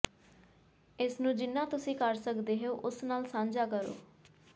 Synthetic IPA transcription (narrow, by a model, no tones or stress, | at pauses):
ɪsnũːd͡ʒɪnːãːt̪ʊsĩːkəɾsəkd̪eːɦeoːʔʊsnaːlsãːnd͡ʒaːkəɾo̰ː